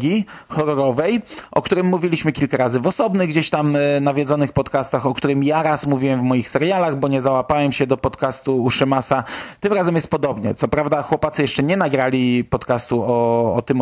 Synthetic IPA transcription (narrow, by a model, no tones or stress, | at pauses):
ɡʲixɔɾɔɾɔvɛjʔɔ̰kt̪uɾɘmːuvʲilʲiɕmɘkʲilkaɾazɘvɔsɔbnɘɣɡd͡ʑeɕt̪amnavʲjɛd̪zɔnɘxpɔt̪kast̪axɔkt̪uɾɘmjaɾasmuvʲiwɛmvmɔjixsɛɾjalaɣbɔɲɛzawapawɛmɕɛd̪ɔpɔt̪kast̪uːʂɘmasat̪ɘmɾazɛmjɛst̪pɔd̪ɔbɲɛ̰t̪sɔpɾavd̪axwɔpat̪sɨjɛʂt͡ʂɛɲɛnaɡɾalʲipɔt̪kast̪uɔɔ̰t̪ɘm